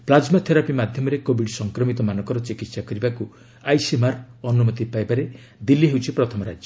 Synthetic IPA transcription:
plad͡ʒmat̪ʰeɾapimad̪ʱjɔmɔɾekobiɽsɔŋkɾɔmit̪ɔmanɔ̃ŋkɔɾɔt͡ʃikit̪sakɔɾibaku | ajsimaɾɔnumɔt̪ipajbaɾe | d̪ilːiɦewt͡ʃʰipɾɔt̪ʰɔmɔɾa̰d͡ʒjɔ

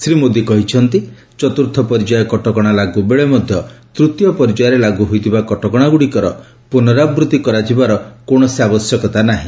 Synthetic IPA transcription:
sɾimod̪ikɔɦit͡ʃʰɔnt̪i | t͡ʃɔt̪uɾt̪ʰɔpɔɾid͡ʒajɔkɔʈɔkɔɽ̃alaɡubeɭemɔd̪ʱjɔt̪ɾut̪jɔpɔɾid͡ʒajɔɾelaɡuɦojt̪ʰibakɔʈɔkɔɽ̃aɡuɽikɔɾɔ | punɔɾabɾut̪ikɔɾad͡ʒibaɾɔkoɽ̃ɔsiabɔsjɔkɔt̪anaɦḭ̃

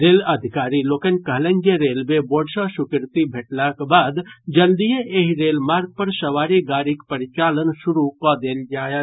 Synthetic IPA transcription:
ɾeːləd̪ʱɪkaːɾiloːkənkəɦlẽnd͡ʒeɾeːlmeboːɖʃaʃʊkɾt̪ibʱeʈlakbaːd̪d͡ʒəld̪ijeʔeɦiɾeːlmaːɾɡ̚pəɾsəʋaːɾiɡaːɾikpəɾɪt͡ʃaːlənʃʊɾukad̪eːld͡ʒaːja

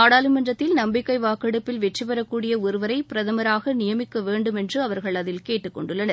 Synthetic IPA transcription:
aːɽaːlɯmɐndrɐt̪ːɪlnɐmbɪkːɐɪʋaːkːɐɽɯpːɪlʋɛʈripɐɾɐkːuːɽɪjɐɔɾɯʋɐɾɐɪpɪɾɐðɐmɐɾaːɣɐnɪjɐmɪkːɐʋeːɳɖɯmɛndrɯɐʋɐɾɣɐɭɐðɪlkeːʈːɯkːɔ̰ɳɖɯɭːɐnɐɾ

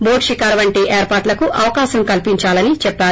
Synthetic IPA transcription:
boːʈʃikaːɾʋɐɳʈiʔeːɾpaːɾʈlɐkuʔɐʋɐkaːʃɐmkɐlpiɲt͡ʃaːlɐnit͡ʃɛpːaː

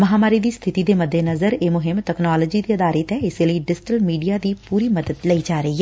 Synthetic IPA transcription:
mɐɦaːmaːɾiːd̪iːst̪ʰɪt̪iːd̪eːməd̪ːeːnəzəɾeːmʊɦɪmʈɛːknaːloːd͡ʒiːd̪iːəd̪aːɾət̪ɛɪseləiːɖɪsɪʈəlmiːɖijaːd̪iːpuːɾiːməd̪əd̪ləiːd͡ʒaːɾəiːɦɛː

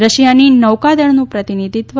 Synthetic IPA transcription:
ɾəʃjaninəʋkad̪əɽnũpɾət̪inid̪ʱit̪ʋ

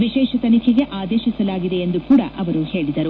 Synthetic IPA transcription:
ʋiʃɛːʃɐt̪ɐnikʰɛɡe̞ʔaːd̪eːʃisɐlaːɡid̪e̞ːnd̪ukuːɽɐ̰ʔɐʋɐɾuhe̞ːɭid̪ɐɾu

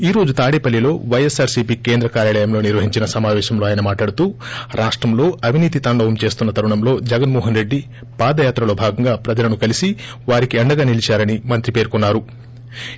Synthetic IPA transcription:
iːɾo̞ːd͡ʒut̪aːɽipɐlːilo̞ːʋɐjesaːɾsipiːke̞ːnd̪ɾɐkaːɾjaːlɛjɐmlo̞ːniɾʋɐɦiɲt͡ʃinɐsɐmaːʋɛːʃɐmlo̞ːaːjɐnɐmaːʈlaːɽut̪uːɾʔaːʂʈɾɐmlo̞ːɐʋiniːt̪̬it̪ɐɳɖɐwɐmt͡ʃe̞ːst̪unːɐt̪ɐɾuɳɐmlo̞ːd͡ʒɛɡɐnmɔːɦɐnɾe̞ɖːi | paːd̪ɐjaːt̪ɾɐlo̞ːbʱaːɡɐŋɡaːpɾɐd͡ʒɐlɐnukɐlisi | ʋaːɾikiɐɳɖɐɡaːnilit͡ʃaːɾɐnimɐnt̪ɾipe̞ːɾkunːaːɾu

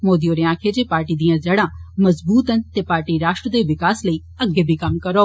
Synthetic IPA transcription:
moːd̪ioːɾeːãːkʰeːd͡ʒeːpaːɾʈiːd̪ijãːd͡ʒəɽãːməzbuːt̪ənt̪eːpaːɾʈiːɾaːʃʈɾəd̪eːʋɪkaːsləiː | əɡːeːbʱiːkəmkəɾoː

